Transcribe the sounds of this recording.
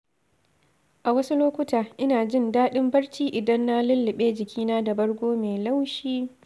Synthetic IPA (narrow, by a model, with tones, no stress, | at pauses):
ʔa˨wɐ˦su˦loː˦kʷʊ˦taː˨ʔɪ˦naː˨d͡ʒɪ˦ndaː˦ɗɪ˦mbɐ˦ɽt͡ʃiː˦ʔɪ˨dɐ˦nːa˦lʊ˦lːɪ˨ɓeː˦d͡ʒɪ˨kʲiː˦naː˦da˨bɐ˦ɽɡʷoː˦meː˨la˦wʃiː˦